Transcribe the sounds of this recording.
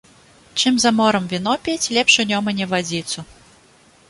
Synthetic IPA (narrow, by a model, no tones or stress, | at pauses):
t͡ʂɨmzɐmɔɾɐmvʲinɔpʲet͡sʲlʲɛpʂɨnʲɔmɐnʲɛvad͡zʲit̪su